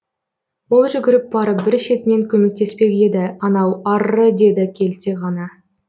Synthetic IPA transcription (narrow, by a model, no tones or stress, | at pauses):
wo̞lˠʒʏɡʲɪɾɪp̚bɑɾəp̚bɪɾʃe̞t̪ɪne̞ŋkʲʰɵme̞k̚t̪e̞spe̞ɡʲe̞d̪ɪɑnɑwɑrːəd̪e̞d̪ɪkʲʰe̞lt̪eʁɑnɑ